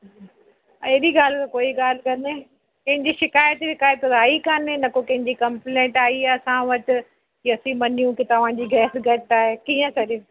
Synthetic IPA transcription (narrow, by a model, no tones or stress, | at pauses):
ɐɦɪɗiɡaːl̤ɪkkoːiɡaːl̤ɪkɐneː | kɐ̃ɦɪ̃ɲd͡ʑiʃɪkaːjət̪ʃɪkaːjət̪aːikɐnenɐkokɐ̃ɦɪ̃ɲd͡ʑikɐ̃mplẽːʈaːiasãʋɐʈ̆ | ɐsĩmɐnijũkɪt̪ɐʋ̤ãd͡ʑiːɡʱɛːsɡʱɐʈaːɦekiːə̃kɐɾe